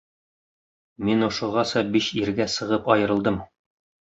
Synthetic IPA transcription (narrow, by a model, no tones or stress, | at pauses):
minŭʃŏʁɑsɑbiɕiɾɡæsɤ̆ʁɤpɒjɤ̆ɾɤ̆lˠd̪ɤm